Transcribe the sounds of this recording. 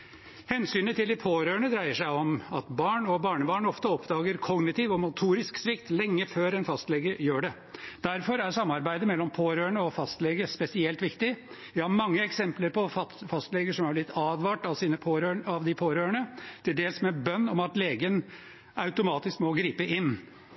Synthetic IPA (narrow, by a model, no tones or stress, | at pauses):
hɛnsyːnət̪ʰɪld̪ɪpʰoːɾøːəɳəd̪ɾæɪəʂæɪɔmɑ̰t̪bɑːɳɔbɑːɳəbɑːɳɔft̪əɔpd̪ɑːɡəɾkʰɔɡnɪt̪iːʋɔmʊt̪ʰuːɾɪsksʋɪkt̪lɛŋːəføːɾɛnfɑst̪lɛɡəɾjøːɖɛ | d̪̥æɾfɔɾæɾsɑmːɑɾbæɪd̪əmɛlːɔmpʰoːɾøːəɳəɔfɑst̪lɛɡəspɛsɪɛlt̪ʋɪkt̪ɪ | ʋɪhɑɾmɑŋːəɛksɛmpləɾpɔfɑfɑst̪lɛɡəʂɔmhæblɪt̪ʰːɑːd̪ʋɑːʈɑʋsiːnəpʰoːɾøɑʋd̪ɪpʰoːɾøːəɳət̪ʰɪld̪eːlsmɛbœnːɔmɑt̪leːɡən | ɑʉt̪ʊmɑːt̪ɪskmɔɡɾiːpəʔɪnː